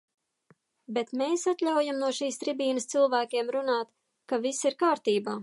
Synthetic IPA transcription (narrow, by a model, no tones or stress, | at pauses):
bet̪meːsat̪lʲawjamnuɔʃiːst̪ɾibiːnəst̪silˠvæːkʲeɛmɾunaːt̪ | kavisiɾkaːɾt̪iːbaː